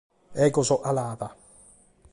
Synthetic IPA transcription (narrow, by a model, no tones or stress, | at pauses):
ɛkʼɔsɔʔalaːba